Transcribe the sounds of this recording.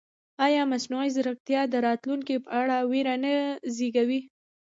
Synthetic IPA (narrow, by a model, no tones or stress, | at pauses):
ɑjɑmasnujzɾəkt̪jɑd̪əɾɑt̪luŋkipəaɽaweɾanəziɡawi